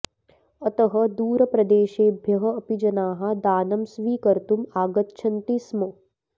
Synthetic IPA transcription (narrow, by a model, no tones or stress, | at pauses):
ɐt̪ɐɦɐ̆d̪uːɾɐpɾɐd̪eːʃeːbʱjɐɦɐ̆ːpid͡ʒɐnaːɦɐd̪aːnɐmsʋiːkɐɾt̪umaːɡɐt̪t͡ʃʰɐnt̪ismo